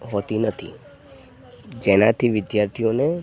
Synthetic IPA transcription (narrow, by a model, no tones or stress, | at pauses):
ɦoːt̪inɐt̪ʰḭ | d͡ʒɛːnat̪ʰiʋɪd̪jaːɾt̪ʰijõnẽ